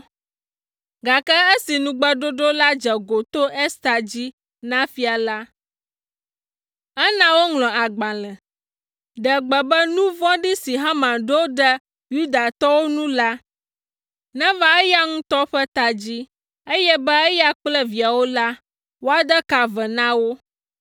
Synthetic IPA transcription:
ɡa˨kɛ˦ə˦si˨nũ˨ɡ͡bə˦ɖo˦ɖo˦la˦d͡ʒɛ˨ɡo˨t̪o˦ʔɛ˦st̪a˨d͡ʑi˦ | nã˦fi˦a˨la˦ | ɛ˦nã˦wo˦ŋlɔ̃˨a˨ɡ͡bã˨lɛ̃˨ | ɖɛ˨ɡ͡bɛ˨bɛ˦nũ˦vɔ̃˦ɖi˦si˨ɦã˦mã˨ɖo˦wɖɛ˦ | ju˦d̪a˨t̪ɔ˦wo˦nũ˦la˦ | nɛ̃˦vã˦ɛ˦ja˦ŋũ˦t̪ɔ˦ɸɛ˦t̪a˨d͡ʑi˦ | ə˦jɛ˦bɛ˦ɛ˦ja˦k͡plɛ˦vi˨a˨wo˦la˦ | wo˦a˨d̪ə˦ka˨vɛ˨nã˦wo˦

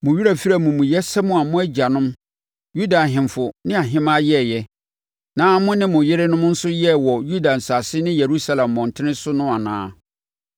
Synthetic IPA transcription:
mʊ̃˨ɥi˦ɾa˨fi˦ɾa˦˨mʊ̃˨mʊ̃˨jɛ˦sɛ˦mʊ̃˦a˨mʊ̃˦æ˦d͡ʑa˨nʊ̃˦m | ju˦da˨ɦɪ̃˨mfʊ˨nɪ̃˦a˨ɦɪ̃˦mã˦jɛ˦˨jɛ˦ | nãː˨˦mʊ̃˦nɪ̃˦mʊ̃˨jɪ˦ɾɪ˦nʊ̃˦m˦n̩˦sʊ˦jɛ˦wɔ˨ju˦da˨n̩˨sa˨sɪ˦nɪ̃˦je˨ɾu˦sa˦˨lã˨mːɔ̃˨n˨tʰɪ˦nɪ̃˦sʊ˦nʊ̃˦a˨nã̰ː˦

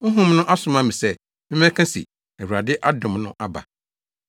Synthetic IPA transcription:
ʊ˦ɦũ˦m˦nʊ̃˦ʔa˦sʊ̃˨mã˦mĩ˨sɛ˦ | mɪ̃˦mɛ̃˦kʰã˦sḭ˨ | ɛ˨wu˨ɾa˨dɪ˦ʔa˦dʊ̃˨mnʊ̃˦ʔa˦ba̰˨

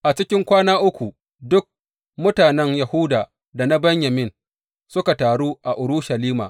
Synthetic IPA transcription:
ʔa˨t͡ʃɪ˦kʲɪ˦ŋkʷaː˦naː˦ʔʊ˦kʷu˨ | dʊ˦k̚ | mʊ˦taː˨nɛ˦ŋja˨hʊ˦daː˨ | da˨na˦bɐ˦ɲjɐ˨mɪ˦n | sʊ˦ka˨taː˨ɽuː˦ʔa˨ʔʊ˨ɾʊ˦ʃa˨liː˦maː˨

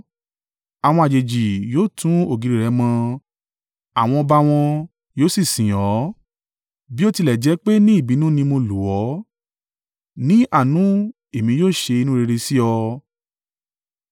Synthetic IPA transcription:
a˨w̃ɔ̃˧a˨d͡ʒe˨d͡ʒi˨joː˦˨tʰũ˨˦o˦˨ɡi˨ɾi˨ɾɛ˨˦mɔ̃˧ | a˨w̃ɔ̃˧ɔ˧ba˧w̃ɔ̃˧ | joː˦si˦˨sĩ˨jɔ˨˦ | bi˦o˦˧ti˧lɛ˨d͡ʒɛ˨˦k͡pe˦nĩ˦i˦˨bi˨˦nũ˦nĩ˧mo˧lu˨wɔ˨˦ | nĩ˦ʔa˦˨nũ˨˦ | e˨mĩ˨˧˦joː˦˨ʃe˧i˧nũ˦˧ɾe˧ɾe˧si˦ɔ˧

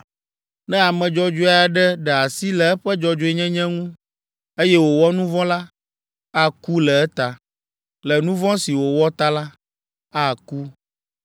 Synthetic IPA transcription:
nɛ̃˦a˨mɛ̃˨d͡ʒɔ˦d͡ʒo˦a˦a˨ɖɛ˦ɖɛ˨a˨si˦lɛ˨ɛ˦ɸɛ˦d͡ʒɔ˦d͡ʒo˦ɛ˦ɲɛ̃˦ɲɛ̃˦ŋũ˦ | e˦jɛ˦wo˨wɔ˦nũ˦vɔ̃˦la˦ | a˦ku˦lɛ˨ɛ˦t̪a˨ | lɛ˨nũ˦vɔ̃˦si˨wo˨wɔ˦t̪a˦la˦ | a˦ku˦

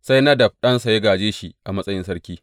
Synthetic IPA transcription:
sa˦jnɐ˦dɐ˨b̚ɗɐ˦nsa˨jɐ˦ɡaː˨d͡ʒeː˦ʃi˨ʔa˨mɐ˦sʼɐ˦jɪ˦sɐ˦ɽkʲiː˦

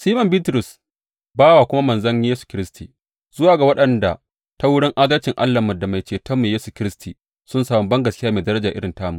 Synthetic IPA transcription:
siː˦mɐ˨mbiː˦tɾʊ˨s | baː˦waː˨kʷʊ˦ma˦mɐ˨nzɐ˦ɲji˦jeː˦su̥˨kʲɪ˦ɾɪ˦stʰiː˨ | z̥ʊ˦waː˨ɡa˨wɐ˦ɗɐ˨nda˨ | ta˦wʊ˦ɽɪ˦ŋʔaː˦dɐ˦lt͡ʃɪ˨ŋʔa̰˦lːa˨mɐ˨da˨ma˨jt͡ʃeː˨tɐ˦mːeː˨jeː˦su˨kʲɪ˦ɾɪ˦stʰiː˨ | sʊ˦nsaː˨mɔ˨bɐ˦ŋɡɐ˨skʲɪ˦jaː˦meː˨dɐ˦ɾɐ˦d͡ʒaː˨ʔɪ˦ɽɪ˨ntaː˦mu˨

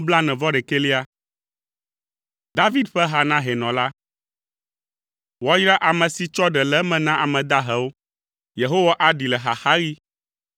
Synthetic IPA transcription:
bla˦nɛ̃˨vɔ˦ɖɛ˨ke˦li˦a˦ | d̪a˦vi˦d̪ɸɛ˦ɦa˨nã˦ɦɛ˨nɔ̃˨la˦ | wɔ˦jɾa˦ʔa˨mɛ̃˨si˨t͡ʃɔ˦ɖɛ˨lɛ˦mɛ̃˨nã˦ʔa˨mɛ̃˨d̪a˦ɦɛ˨wo˦ | je˨ɦo˦wa˦ʔa˨ɖi˨lɛ˨ɦa˨xa˦ɣi˦

